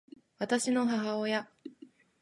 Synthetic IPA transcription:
βat̪aɕino̞ɦaɦaoja

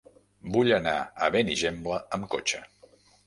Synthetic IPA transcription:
buʎəna̰əβeniʒembləəmko̰t͡ʃə

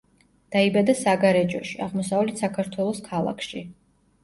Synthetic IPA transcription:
d̪̥aibad̪asaɡaɾɛd͡ʒɔʃiaʁmɔsavlit̪sakʰaɾt̪ʰwɛlˠɔskʰalˠa̰kʰʃi

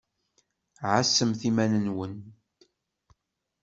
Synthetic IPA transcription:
ʕasːəmθimænənwən

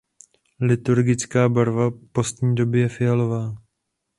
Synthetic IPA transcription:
lɪt̪uɾɡɪt͡skaːbaɾvapo̞st̪ɲiːdo̞bɪjɛfɪjalovaː

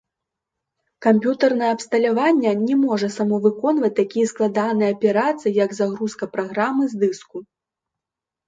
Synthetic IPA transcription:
kampʲjut̪ɐrnɐjɛɐpst̪ɐlʲavanʲːɐnʲɛmɔʐɐsɐmɔvɨkɔnvɐt͡sʲt̪akʲijɛsklˠad̪anɨjɛɐpʲɛɾat̪sɨjijɐɡzaɣɾuskɐpɾaɣɾamɨzd̪ɨsku

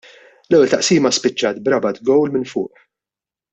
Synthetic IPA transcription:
lɛwːɛlt̪ɐʔsiːmɐspɪt͡ʃːɐːt̪̚bɾɐbɐt̪ɡɔwlmɪnfʊ̰ːʔħ

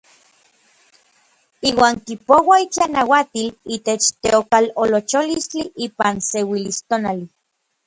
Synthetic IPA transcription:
iːwaːŋkipowait͡ɬanawat̪iliːt̪et͡ʃt̪eokalolot͡ʃolist͡ɬiʔiːpansewilist̪onali

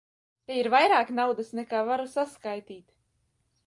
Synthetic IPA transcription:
t̪ɛiɾvajɾaːknawd̪asnɛkaːvaɾusaskajt̪iːt̪

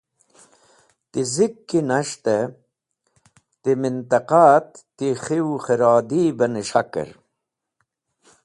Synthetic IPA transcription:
t̪izikːinaʃt̪e | t̪imint̪ɐqat̪ː | ixiwχiɾɑːd̪iːbɐniʃakə̰ɾ

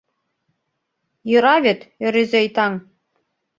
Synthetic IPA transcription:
jɤ̆ɾɑβet̪ø̆ɾezʲejt̪ɑŋ

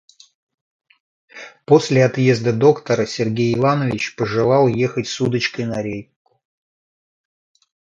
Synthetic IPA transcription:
po̞sʲlʲɪat̪je̞zd̪əd̪o̞kt̪əɾəsʲɪrɡʲejɪvanəvʲɪt͡ɕpəʐɨlˠɑlˠjexətʲsud̪ət͡ɕkəjnɐɾʲejkʊ̥

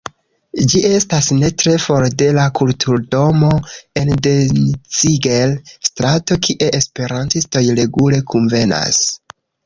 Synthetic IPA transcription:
d͡ʒie̞stasne̞tɾe̞fo̞ɾde̞lakultʰuɾdo̞mo̞e̞ndent͡siɡelstɾato̞kʰiʔe̞ʔespe̞ɾantisto̞jɾe̞ɡule̞kunve̞na̰s

